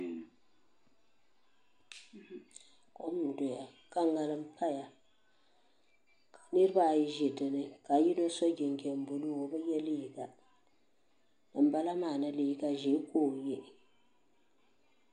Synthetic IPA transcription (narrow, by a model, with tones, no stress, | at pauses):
ko˦m˦˨do˨ja˨ | ka˦ŋ˦ɡa˨lɨ˦m̩˦pʰa˦ja˨ | kʰḁ˨nɨ˦ɾɨ˦ba˦˨ji˦ʒi˨dɨ˨nɨ˨ka˨ji˦no˦so˦ɡɪ˨ŋ˨ɡɛ˨m̩˨bu˨lu˦wo˨ba˦jɛ˦li˦ji˨ɡa˨ | nɨ˨m̩˦ba˦la˦maː˨na˨li˨˦˨ɡa˨ʒe˨˦koː˦˨je˦˨